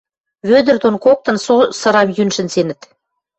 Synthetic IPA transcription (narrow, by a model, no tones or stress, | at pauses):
βød̪ə̆rt̪onkok̚t̪ɤ̆nsosɤ̆ɾɑmjynʃə̆nsenə̆t̪